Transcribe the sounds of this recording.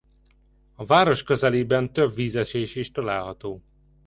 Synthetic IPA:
ɒvaːɾo̞ʃkøzɛleːbɛnt̪øbviːzɛʃeːʃiʃt̪ɒlaːlɦɒt̪oː

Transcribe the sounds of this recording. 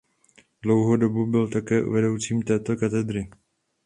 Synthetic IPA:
dlo̞wɦodo̞bubɪlt̪akɛːʔṵvɛdo̞wt͡siːmt̪ɛːt̪o̞kat̪ɛd̪ɾɪ

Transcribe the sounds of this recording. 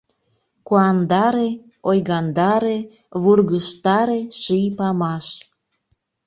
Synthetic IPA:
kuɑnd̪ɑɾe | ojɣɑnd̪ɑɾe | βurɣəʃt̪ɑɾeʃijpɑmɑʃ

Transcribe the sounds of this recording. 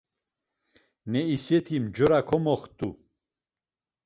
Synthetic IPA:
nɛisɛt̪ʰimd͡ʒɔɾakʰɔmɔχt̪ʼu

